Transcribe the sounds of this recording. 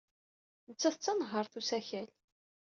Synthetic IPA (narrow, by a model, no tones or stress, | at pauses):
nət͡sːæθət͡sːɑnɦəɾˤθusæçæl